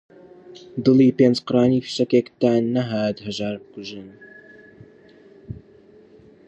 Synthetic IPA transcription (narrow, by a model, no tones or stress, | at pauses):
d̪ɨliːpeːnd͡ʒqɨɾaːniːfɨ̥ʃɐkekt̪aːnːɐɦaːt̪hɐʒaːɾbɨkuʒɨn